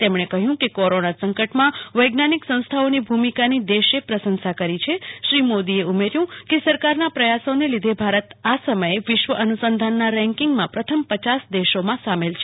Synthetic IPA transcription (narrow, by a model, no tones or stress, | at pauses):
t̪emɳ̃ekəɦjũkekoɾonasəŋkəʈmãʋəjɡnaniksə̃w̃st̪ʰaonibʱumikanid̪eʃepɾəsənsakəɾit͡ʃʰeʃɾimod̪ieumeɾjũkesəɾkaɾnapɾəjasonelid̪ʱebʱaɾət̪asəməjeʋɪʃʋəʔənusənd̪ʱanːaɾɛ̃ŋkiŋɡmãpɾət̪ʰəmpət͡ʃasd̪eʃomãsamelt͡ʃʰe